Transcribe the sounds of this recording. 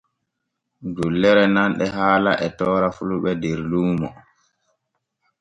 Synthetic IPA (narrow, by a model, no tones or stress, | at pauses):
d͡ʒulːɛɾɛnanɗɛɦaːla̰ʔɛtɔːɾafuluɓɛdɛɾluːmɔ